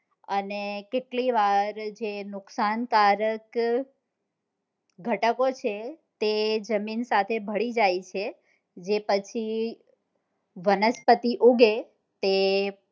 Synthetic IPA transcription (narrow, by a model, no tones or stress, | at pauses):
ənekeʈliʋaɾd͡ʒenʊksankaɾək | ɡʱəʈəkot͡ʃʰet̪ed͡ʒəminsat̪ʰebʱəɭid͡ʒajt͡ʃʰe | d͡ʒepət͡ʃʰi | ʋənəspət̪iʔuɡe | t̪e